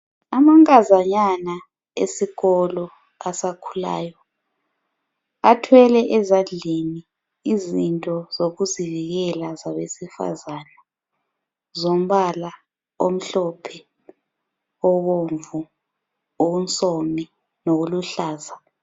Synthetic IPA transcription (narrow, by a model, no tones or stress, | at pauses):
amaŋkʼazaɲana | esiɣɔlɔ | asakʰula̰ːjɔ | atʰwɛlɛʔɛzand͡ɮʱeni | izintʼɔz̥oɣuziviɣɛlazaβesifa̰zana | zom̩βala | om̩ɬɔpʰɛ | ɔβoɱvu | ount͡sʼomi | noɣuluɬaːza